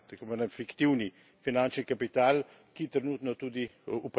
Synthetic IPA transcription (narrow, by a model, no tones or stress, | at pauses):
t̪akoʋaːnɛnfikt̪iwni | finant͡ʃnikapit̪aːl | kit̪ɾɛnuːt̪nɔt̪ud̪iup